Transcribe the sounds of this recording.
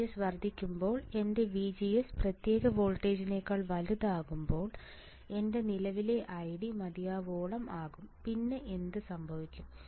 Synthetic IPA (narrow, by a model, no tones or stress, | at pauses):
esʋɐrd̪ʱːikʲːumbo̞ːɭe̞nde̞ʋid͡ʑijesprɐt̪je̞ːɣɐʋo̞ːlʈːeːd͡ʑɐnekːɐɭʋɐluðaːɣumbo̞ːɭ | e̞nde̞nilɐʋile̞ʔɐjɽimɐd̪ijaːʋoːɭɐmaːɣumpinːe̞ʔe̞nd̪ɨsɐmbʱɐʋikʲːum